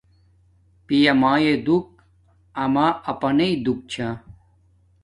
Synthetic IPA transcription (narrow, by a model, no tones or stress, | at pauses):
pijɐmaːjed̪uk̚ | ɐmaːɐpɐneid̪uk̚t͡ɕʰã